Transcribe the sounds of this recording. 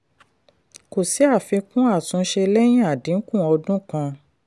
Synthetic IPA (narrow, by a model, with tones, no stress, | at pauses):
ko˨si˨˦a˦˨fĩ˧kũ˦a˦˨tũ˨˧˦ʃe˧lɛ˦j̃ĩ˦a˨dĩ˨˦ŋ̩˦kũ˦˨ɔ˧dũ˦kã˧